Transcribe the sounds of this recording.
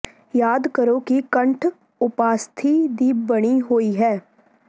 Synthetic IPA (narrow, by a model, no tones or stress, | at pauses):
jaːd̪kəɾokikə̃ɳʈʰ | ʊpaːst̪ʰid̪iːbbɐɽ̃iɦoːiɦɛː